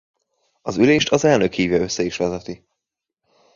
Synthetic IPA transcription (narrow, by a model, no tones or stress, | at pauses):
ɒzyleːʃt̪ɒzɛlnøkhiːvjɒø̞sːɛiʃʋɛzɛt̪i